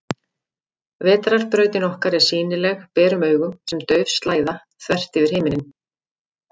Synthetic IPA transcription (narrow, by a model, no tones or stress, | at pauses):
vɛːt̪ɾaɾ̥pɾœːɥt̪ɪnɔhkaɾɛɾ̥siːnɪlɛɣpɛːɾʏmœːɥɣʏmsɛmt̪œɥðst̪laːjða | θvɛr̥t̪ɪvɪɾ̥hɪːmɪnɪn